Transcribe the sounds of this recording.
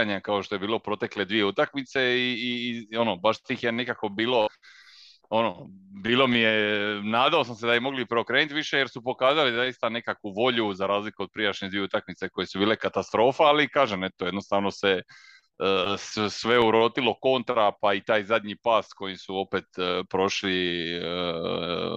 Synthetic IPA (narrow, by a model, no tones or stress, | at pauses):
aɲakao̞ʃt̪o̞je̞biːlopɾo̞t̪e̞kle̞d̪ʋije̞ut̪akmit̪se̞iːo̞nobaʃiːxjenekako̞biːlo̞ | o̞no̞biːlˠo̞mijenaːd̪ao̞sams̬ed̪abimo̞ɡlipɾeokɾeːnit̪ʋiʃe̞je̞ɾsupo̞kaːzalizaist̪ane̞kakʋuʋo̞ʎuzaɾaːzlikuo̞d̪̚pɾijaʃɲed̪ʋieut̪akmit̪se̞ko̞jesubiːle̞kat̪ast̪ɾo̞ːfaalikaːʒeme̞t̪o̞je̞d̪no̞st̪aːʋno̞se̞ | ssʋe̞uɾot̪ilo̞ko̞nt̪ɾapait̪aːjzad̪ɲipaːsko̞jisuo̞pet̪pɾo̞ʃliə